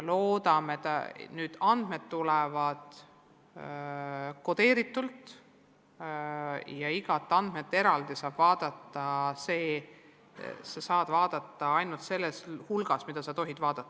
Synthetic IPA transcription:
lo̞ːd̪̥ɑmet̪ːnyːd̪̥ɑnd̪̥me̞d̪t̪ːulɛvɑd̪̥ | ko̞d̪e̞ːɾit̪ːˑult̪ | jɑiɡ̥ɑt̪ːˑɑnd̪̥me̞t̪ːe̞ɾɑld̪isɑːb̥vɑːd̪̥ɑt̪ːˑɑse̞ː | sɑsɑːd̪̥vɑːd̪̥ɑt̪ːˑɑɑjnult̪se̞lːeshulɡ̥ɑsmid̪̥ɑsɑt̪o̞ɦid̪vɑːd̪̥ɑt̪ˑːɑ̥

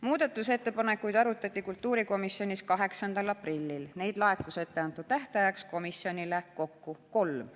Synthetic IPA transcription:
muːd̪̥ɑt̪ːˑuse̞t̪ːe̞pɑne̞kːujd̪ɑɾut̪ːˑɑt̪ʲˑːikult̪ːˑuːɾiko̞misjo̞nʲiskɑɦe̞ksɑnd̪̥ɑlɑprilʲːilne̞jd̪̥lɑe̞t̪ːˑuset̪ːe̞ɑnt̪ːˑud̪̥t̪æht̪ɑjɑksko̞misjo̞nileko̞kːuko̞lm

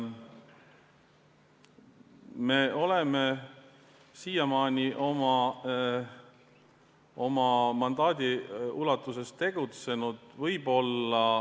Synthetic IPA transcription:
me̞ʔo̞leme | siːjɑmɑːnʲiʔo̞mɑ | o̞mɑmɑnd̪ɑːd̪̥ʲiulɑt̪ːˑuse̞stt̪e̞ɡ̥ut̪se̞nud̪̥vɤjbo̞lːɑ

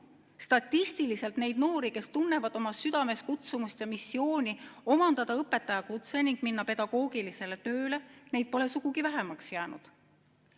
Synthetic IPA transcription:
st̪ɑt̪ʲːist̪ilise̞lt̪ne̞jd̪̥no̞ːɾike̞st̪unːe̞vɑd̪̥o̞mɑsyd̪̥ɑme̞skut̪sumust̪jɑmisːio̞ːnʲio̞mɑnd̪ɑd̪̥ɑɤpːˑe̞t̪ːˑɑjɑkut̪se̞niŋɡ̥minːɑpe̞d̪ɑɡ̥o̞ːɡilise̞le̞t̪ø̞ːle̞ne̞jd̪̚po̞le̞suɡ̥uɡivæɦemɑksjæːnṵd̪̥

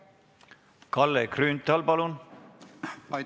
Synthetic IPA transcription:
kɑlːekryːnt̪ːˑɑlpɑlun

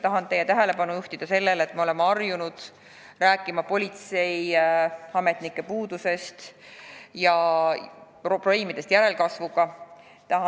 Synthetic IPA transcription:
t̪ɑɦɑnt̪e̞jet̪æɦele̞pɑnujuht̪id̪̥ɑse̞lːelet̪ˑmeole̞meɑrjunud̪̥ | ræːkːˑimɑpo̞lʲit̪se̞j | ɑme̞t̪nikːˑe̞puːd̪̥use̞st̪ | jɑ | pro̥eːmid̪̥e̞st̪jæɾe̞lkɑsvuɡ̥ɑ | t̪ɑɦɑ

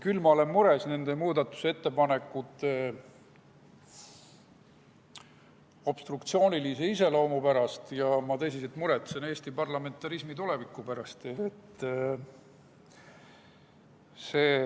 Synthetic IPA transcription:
kylmɑole̞mmuɾe̞sne̞nd̪emuːd̪ɑt̪ːˑu̥see̞t̪ːe̞pɑne̞kːˑut̪ːˑe | o̞b̥st̪rukt̪sio̞ːnilise̞ise̞lo̞ːmupæɾɑst̪jɑmɑt̪es̬inset̪muɾe̞t̪ːˑsene̞ːsʲt̪ipɑrlɑme̞nt̪ːˑɑɾismit̪ule̞vikːˑupæɾɑst̪eet̪ː | se̞ː

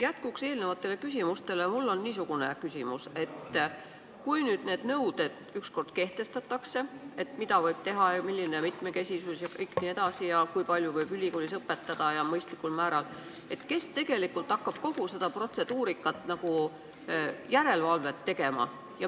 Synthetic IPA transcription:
jæt̪kukse̞ːlne̞vɑt̪ːˑe̞le̞kys̬ʲimust̪e̞le̞mulːo̞nːiːs̬uɡ̥une̞kysʲimuse̞t̪ | kujnyːd̪ne̞ːd̪̥nɤwd̪̥e̞d̪̥yksko̞rd̪̥ke̞ht̪e̞st̪ɑt̪ːˑɑkse̞e̞t̪mid̪ɑvɤjb̥t̪e̞ɦɑɑmilʲːinemit̪me̞ke̞sʲisusjɑkɤjkˑnie̞d̪̥ɑsijɑkujpɑlʲjuvɤjb̥ylʲikolʲisɤpːet̪ːˑɑd̪̥ɑjɑmɤjst̪likːˑulmæːɾɑl | e̞t̪ke̞st̪e̞ɡe̞likːˑult̪ɑkːɑb̥ko̞huse̞d̪ɑpro̞t̪se̞d̪̥uːɾikːˑɑt̪ːˑnɑɡ̥u | jæɾe̞lvɑlve̞t̪ːe̞ɡ̥e̞mɑ̰ | jɑ

